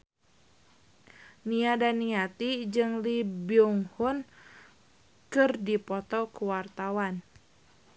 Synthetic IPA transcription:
niadaniat̪id͡ʒɨŋlibiuŋhʊn | kɨrdipɔt̪ɔkuwart̪awan

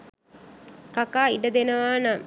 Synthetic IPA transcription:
kakaːiɖəd̪enəʋaːna

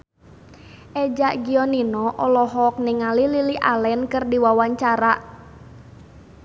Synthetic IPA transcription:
ʔɛd͡ʒaʔɡiɔninɔʔɔlɔɦɔk̚niŋalililiʔa̰lɛnkɨrdiwawaɲt͡ʃaɾaʔ

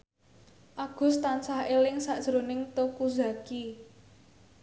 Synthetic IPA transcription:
ʔaɡ̥ʊ̤st̪ansahelɪŋsaʔd̥ʒ̥ɾonɪŋt̪okuza̤ki

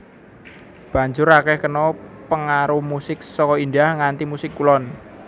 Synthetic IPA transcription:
b̥a̤ɲd͡ʒʊɾakɛhkənɔpəŋaɾuhmusɪk̚sɔkɔindahŋant̪imusɪkːulɔn

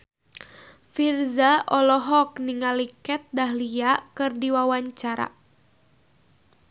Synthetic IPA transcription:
firzaʔɔlɔɦɔk̚niŋalikɛt̪̚daɦliakɨrdiwawaɲt͡ʃaɾa̰

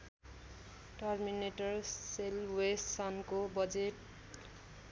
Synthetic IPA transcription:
ʈʌrmineʈʌrselwessʌnkobʌd͡zeʈ

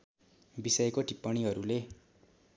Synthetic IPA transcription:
bisʌjekoʈipːʌɽ̃iɦʌɾule

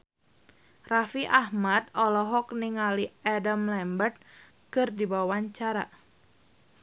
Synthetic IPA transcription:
rafiʔahmat̪ɔlɔɦɔk̚niŋaliadamlɛmbərt̪̚ | kɨrdibawaɲt͡ʃaɾa

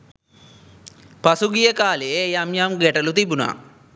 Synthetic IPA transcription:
pɐsuɡijɐkaːleejɐmjamɡɛʈɐlut̪ibuna̰

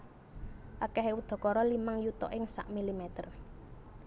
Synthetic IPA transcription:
ʔakɛɦeud̪̥ɔ̤kɔɾɔlimaŋjut̪ɔ̰ʔɪŋsa̰ʔmilimɛt̪ər

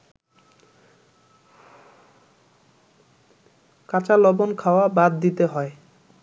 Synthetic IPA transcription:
kat͡ɕalɔbonkʰaoabad̪ːit̪eɦɔe

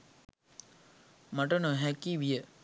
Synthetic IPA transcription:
maʈənoɦækiʋijə

